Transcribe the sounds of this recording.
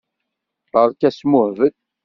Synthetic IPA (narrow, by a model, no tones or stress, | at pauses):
əɾˤkæsmʊhvət̪